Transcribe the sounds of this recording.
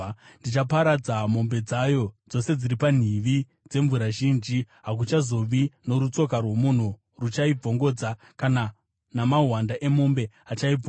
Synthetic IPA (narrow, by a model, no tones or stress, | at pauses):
ndit͡ʃapaɾad͡zamo̞mbe̞d͡zajo̞d͡zo̞se̞d͡ziɾipan̤iʋi | d͡ze̞ɱvuɾaʒiːnd͡ʒi | ɦak̬ut͡ʃazo̞ʋino̞ɾut͡so̞karwe̞mun̤u | rut͡ʃaib͡vo̞ŋɡo̞d͡za | kana | namaɦwandaʔe̞mo̞mbe̞ | at͡ʃai